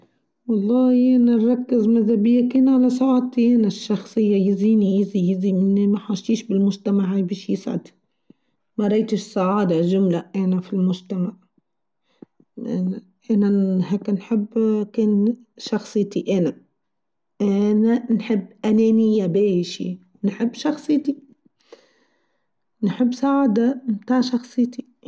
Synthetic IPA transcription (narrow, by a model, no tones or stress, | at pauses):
wɑlˤːɑːhiʔananɾˤɑkːɪzmaðabɪjːakeːnʕalasaʕaːd̚t̪iʔanaʃːɑxsˤɨjːajɪziːnijɪzijɪzimɪnimaħaʃt̪iːʃbɪlmʊʒt̪amaʕːajbiːʃjɪsʕa̰d̪ | maɾˤɑjt̪ɪʃsˤaʕaːd̪ɑʒʊmlaʔanafilmʊʒt̪amaʕ | ʔana | ʔanaheːknħɪbːkeːn | ʃɑxsˤɨjt̪iʔana | ʔananħɪbːʔanenɪjabeːʃḭ | nħɪbːʃɑxsˤɨjt̪i | nħɪbːsaʕaːd̪amt̪aːʕʃɑxsˤɨːt̪i